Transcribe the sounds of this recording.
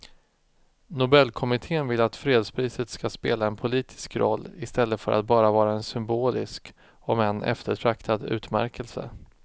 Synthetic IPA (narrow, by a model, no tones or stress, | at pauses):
nʊbɛlːkʰɔmɪt̪ʰeːənvɪlːat̪fɾeːd̪spʰɾiːsət̪skaspeːlaɛnpʰʊliːt̪ʰɪ̥skɾɔ̰lːɪst̪ɛlːəfœɾʔa̰t̪̚bɑːɾavɑːɾaɛnsʏmboːlɪ̰sk | ɔmɛɛnʔɛ̰ft̪əʈʰɾakt̪ʰad̪ʉ̟̰ːt̪mæ̰ɾkʰəlsə̰